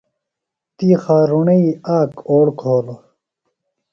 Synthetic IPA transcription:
t̪iːxaːɾuɳɐiaːkoːɽkʰoːlo

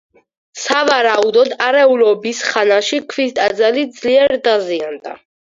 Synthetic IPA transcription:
savaɾaud̪ɔd̪aɾɛulɔbisχanaʃikʰvist̪ʼad̪zalid̪zliɛɾd̪aziand̪a̰

